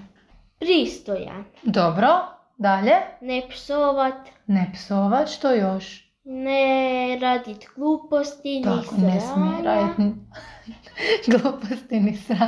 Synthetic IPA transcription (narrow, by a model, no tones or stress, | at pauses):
pɾiːst̪oja̰d̪obɾo | d̪aʎenɛpsoʋat̪nɛpsoʋat̪ʃt̪ojoʃ | nɛɾad̪it̪ɡ̥lˠuːpost̪inaikonɛɾait̪n | ɡlˠuːpost̪inisɾa